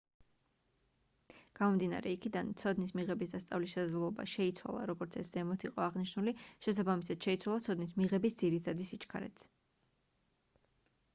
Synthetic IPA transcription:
ɡ̥amɔmd̪ina̰ɾɛikʰid̪ant̪sʰɔd̪nismiʁɛbisd̪ast̪sʼa̰vliʃɛsad̪ɛlˠɔba̰ʃɛit̪sʰwa̰lˠa̰ɾɔɡɔɾt̪sʰɛsz̥ɛmɔt̪ʰiqʼɔaʁniʃnuliʃɛsabamisad̪̥ʃɛit̪sʰwalˠat̪sʰɔd̪nismiʁɛbisd̪ziɾit̪ʰad̪isit͡ʃkʰa̰ɾɛ̰t̪s

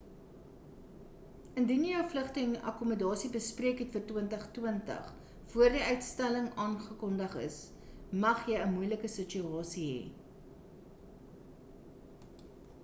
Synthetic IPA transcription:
əndinjəjœwfləχtənɐ̰kumədɑːsibəspriəkɦɛtfərtwiəntəχtwəntə̰χ | fuərdiœɥtstæləŋɑːnχəkɔndəχə̰s | mɐχjəjəmujləkəsət͡ʃyɑːsiɦḛ

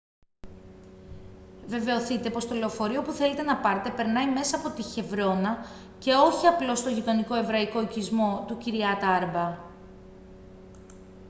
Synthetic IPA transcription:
ve̞ve̞oθit̪e̞po̞st̪o̞le̞ofo̞ɾio̞puθe̞let̪e̞nɐpɐɾt̪e̞pe̞ɾnɐime̞sɐːpo̞t̪içe̞vɾo̞nɐ | ce̞o̞çiɐplo̞st̪oʝit̪o̞niko̞e̞vɾɐiko̞icizmo̞t̪uciɾiɐt̪ɐɐɾbɐ

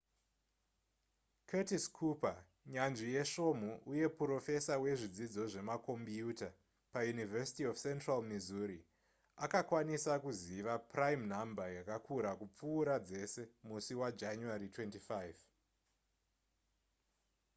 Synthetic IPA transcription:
kʰetiskʰupa | ɲanʐije̞ʃo̞m̤uʔuje̞pro̞fe̞sawe̞ʐid͡zid͡zo̞ʐe̞mako̞mpjuta | pajunivesi̥tiofse̞ntralmizuɾi | akakwanisakuziʋapraimnambajakakʰuɾakup͡fuːɾad͡ze̞se̞musiwad͡ʒanuaritwe̞ntifajv

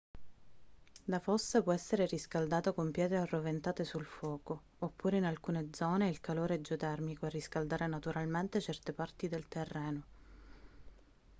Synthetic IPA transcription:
d̪afosːapwɔɛsːeɾeɾiskald̪aːt̪okompjɛːt̪ɾearːovent̪aːt̪esulfwɔːkoː | pːuːɾeinalkuːned̪zɔːneilkaloːɾed͡ʒot̪ɛrmikoerːiskald̪aːɾenat̪uɾalment̪et͡ʃɛrt̪epart̪id̪elt̪erːɛːno

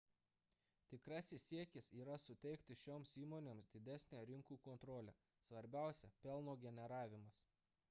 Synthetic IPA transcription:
t̪ʲɪkɾɑsʲɪsːʲiɛkʲɪsiːɾɐsʊt̪ʲɛɪkt̪ʲɪʃʲoːmsiːmoːnʲeːmsd̪ʲɪd̪ʲæsʲnʲæɾʲɪŋkuːkɔːnt̪ɾoːlʲɛ̰ | sʋɐɾʲbʲæˑʊsʲɛpʲɛlˠnoːɡʲɛnʲɛɾɑːʋʲɪmɐs

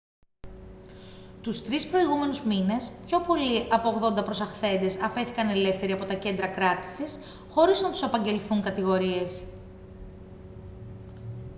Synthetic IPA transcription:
t̪ust̪ɾispɾo̞iɣume̞nuzmine̞spço̞po̞liʔɐpoːɣðo̞nd̪ɐpɾo̞sɐxθe̞nd̪e̞sɐfe̞θikɐne̞le̞fθe̞ɾiɐpo̞t̪ɐce̞nd̪ɾɐkɾɐt̪i̥sis | xo̞ɾiznɐt̪u̥sɐpɐɲɟe̞lθuŋkɐt̪iɣo̞ɾie̞s

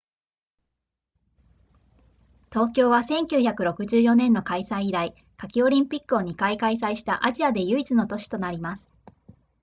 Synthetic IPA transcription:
t̪o̞ːkʲo̞ːβasẽ̞ŋkʲɨːçakɯ̟ɾo̞kɯ̟ʑɨːjo̞nẽ̞nːo̞kaisaĩiɾai | kakʲio̞ɾʲĩmpʲikːɯ̟o̞ɲ̟ikaikais̬aiɕi̥t̪a̰ʔaʑiad̪e̞jɯ̟it͡sɨno̞t̪o̞ɕi̥t̪o̞naɾʲimasɨ̥

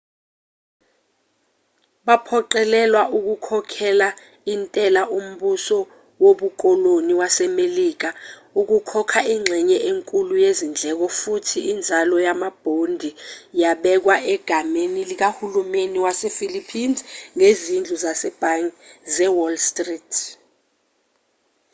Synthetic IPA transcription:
ɓapʰɔǃɛlɛlwaʔuk̬ukʰɔkʰɛla | intʼɛlaʔum̩ɓusɔ | woɓuk̬ʼɔloniwasɛmeliːk̬auk̬ukʰɔkʰaiŋ͡ǁʱɛɲɛʔeŋkʼulujezind͡ɮʱɛk̬ɔfutʰiːnd͡zʱalɔjamab̥ʱondʱijaɓɛk̬waʔɛɡ̥ʱamenilik̬ahulumeniwasefilipʰinzŋezind͡ɮʱuzasɛb̥ʱaŋzɛwɔlstʼriːtʰ

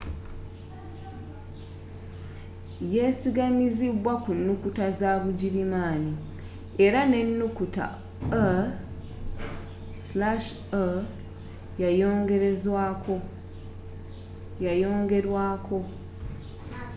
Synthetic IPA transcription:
je̞siɡamiziβwakunːukutazaːβuɟiɾimaːni | e̞ɾane̞nːukuta̰ | a | slaʃ | a | jajo̞ːŋɡe̞ɾe̞zwaːko̞ | jajo̞ːŋɡe̞ɾwaːkʰo̞

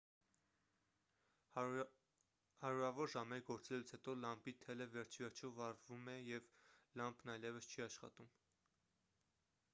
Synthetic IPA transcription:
hɑɾuɾɑvɔɾʒɑmɛɾɡɔɾt͡sɛlut͡sʰhɛt̪ɔlɑmpit̪ʰɛləvɛɾt͡ʃʰivɛɾt͡ʃʰɔvɑɾvumɛjɛvlɑmbʰnɑjlɛvəst͡ʃʰiɑʃχɑ̰t̪um

